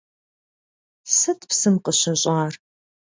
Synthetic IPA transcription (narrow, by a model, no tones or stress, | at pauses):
sɐtʰpsɨmqəɕɪɕʼaːr